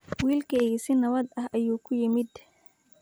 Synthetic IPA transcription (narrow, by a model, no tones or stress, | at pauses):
wiːlkʰɛɣɪsɪnɐβɐd̪ɐhɐjuːkʰʊjɪmɪd̪